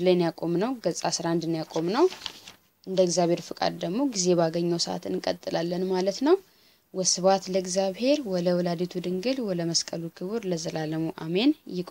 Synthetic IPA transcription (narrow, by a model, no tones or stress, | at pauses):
lajnjakʼo̞mnəwɡəsʼasɾand̪ɨnjakʼo̞mnəw | ʔɨnd̪əɡzjaβhe̞ɾfɨkʼa̰d̪d̪əɡmo̞ɡize̞baɡəɲːəwsəʔa̰t̪ɨnkʼə̰t̪ʼːɨlalːənmalət̪nəw | wɔsɨβat̪ləɨɡzjaβhe̞ɾwɔd̪əwɔlad̪et̪ʰud̪ɨŋɡɨlwɔd̪əməskʼəlukʰɨβɨɾləzəlaləmuʔa̰me̞njɪkʼ